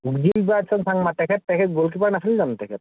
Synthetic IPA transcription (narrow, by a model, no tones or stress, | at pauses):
uɡd͡ʒibibasɔŋsʰaŋmatɛkʰɛtːɛkʰɛt̚ɡolk̬ipanasʰalizantɛkʰɛt